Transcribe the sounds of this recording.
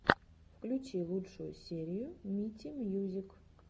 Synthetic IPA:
fklʲʊt͡ɕilˠutʂʊjʊ̰sʲeɾʲɪjʊmʲitʲimjuzʲɪk

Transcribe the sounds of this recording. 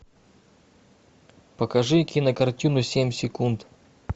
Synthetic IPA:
pəkɐʐɨkʲinəkɐrtʲinʊsʲemʲsʲɪkunt̪

